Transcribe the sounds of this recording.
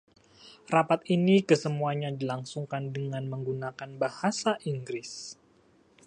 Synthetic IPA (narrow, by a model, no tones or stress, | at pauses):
rapat̪̚inikəsəmuaɲadilaŋsuŋkandəŋanməŋɡunakanbahasaʔiŋɡɾɪs